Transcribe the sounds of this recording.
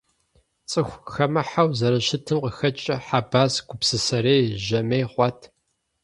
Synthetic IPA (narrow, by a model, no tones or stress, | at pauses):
t͡sʼɨxʷxɐmɐħawzɐɾɐʃɪtʰɨmqəxɐt͡ʃʼɐħabaːsɡʷʊpsɨsɐɾejʒɐmejχʷɔtʰ